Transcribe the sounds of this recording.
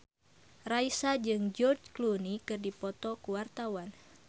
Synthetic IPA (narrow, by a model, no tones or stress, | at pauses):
raisad͡ʒɨŋd͡ʒɔrd͡ʒklunikɨrdipɔt̪ɔkuwart̪awan